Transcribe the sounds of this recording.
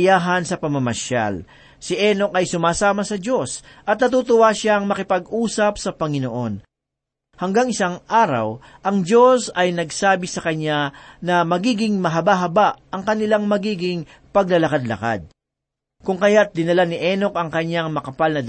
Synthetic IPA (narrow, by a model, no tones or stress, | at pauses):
jaːɦɐnsɐpɐmɐmɐʃa̰l | sɪʔɛno̞k̚ʔɐjsʊmaːsaːmɐsɐd͡ʒo̞sʔɐt̪̚nɐt̪uːt̪ʊwaʃaŋmɐkɪpɐɡʔuːsɐp̚sɐpɐŋɪnoʔo̞n | hɐŋɡaŋɪsaŋʔaːɾɐ̰wʔɐŋd͡ʒo̞sɐjnɐɡsaːbɪsɐkɐɲanɐmɐɡiːɡɪŋmɐɦɐbaɦɐbaʔɐŋkɐnɪlaŋmɐɡiːɡɪŋ | pɐɡ̚lɐlɐkad̪lɐ̰ka̰d̪̚ | kʊŋkɐjat̪̚d̪ɪnɐlanɪʔɛno̞k̚ʔɐŋkɐɲːaŋmɐkɐpalnɐd̪